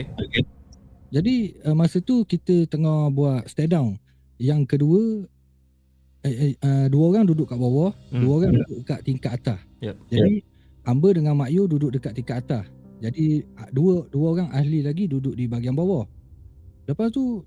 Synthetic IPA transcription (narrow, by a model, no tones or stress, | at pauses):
oked͡ʒadiəmasət̪ukit̪ət̪əŋɔbuaʔ̪st̪ɛdawn | jaŋkəduə | əduəoɾaŋdudʊʔkaʔbawɔhduəoɾaŋdudʊʔəkaʔt̪iŋkaʔat̪asd͡ʒadi | ambədəŋanmaʔjududʊk̚dəkat̪ʔ̪̚iŋkaʔ̪at̪ahd͡ʒadiduəduəoɾaŋahlilaɡidudʊʔ̚dibaɡianbawɔh | ləpast̪u